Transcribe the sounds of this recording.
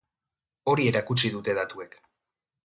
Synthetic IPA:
o̞ɾie̞ɾakut͡ʃiðut̪e̞ðat̪ue̞k

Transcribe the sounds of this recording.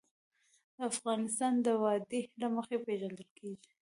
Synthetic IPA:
d̪əafɣɑnɪst̪ɑnd̪əwɑd̪elaməxepeʒand̪əlkʰeʒi̥

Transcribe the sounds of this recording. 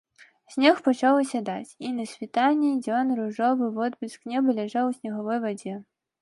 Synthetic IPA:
sʲnʲɛxpɔt͡ʃawsʲɐd̪ɑtʲinɐsʲʋʲit̪anʲidʲɔnɾʊʒɔbɪʋɔd̪bʲɪsknʲɛbɐlʲɛʒawsʲnʲɐɦɔʋɔjvɔdʲɛ

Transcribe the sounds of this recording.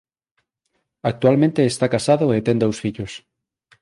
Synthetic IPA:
ak̚t̪ualmẽnt̪eːst̪akasaðʊet̪ɛnd̪owsfiʎos

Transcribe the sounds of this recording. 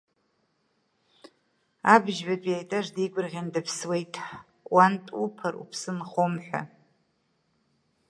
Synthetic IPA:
abʒbatʷʼjajtʼaʐdiɡʷʊrʁʲandɨpʰswe̞jtʼʰ | wantʼupʰarṵpʰsɨnχomħʷᶣa̰

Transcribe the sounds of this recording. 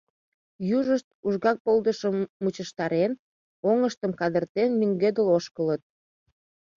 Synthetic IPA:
juʒəʃt̪̚uʒɣɑk̚pold̪əʃəmːut͡ɕəʃt̪ɑɾen | oŋəʃt̪əmkɑd̪ərt̪enmyŋɡed̪əloʃkələt̪̚

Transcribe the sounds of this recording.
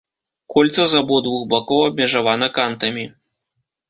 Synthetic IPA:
kɔlʲt̪sɐzabɔd̪vuxbakɔwɐbʲmʲɛʐavanɐkant̪ɐmʲi

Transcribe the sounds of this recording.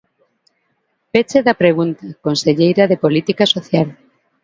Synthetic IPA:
pet͡ʃeðɐpɾeɣ̞unt̪ɐkonseʎejɾɐðepolit̪ikasoθjal

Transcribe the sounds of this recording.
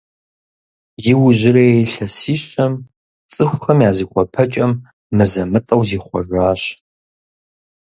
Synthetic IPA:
jɪwʊʑɪɾɐjejɬɐsiːɕʼɐm | t͡sʼɨxʷxɐmjaːziːkʷʼɔpʰɐt͡ʃʼɐmː | ɨzɐmɨtʼɐwziːχʷɔ̰ʒʷaːɕ

